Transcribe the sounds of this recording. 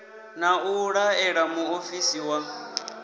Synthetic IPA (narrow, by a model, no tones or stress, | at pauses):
nauɺaɛɺamuofisiwa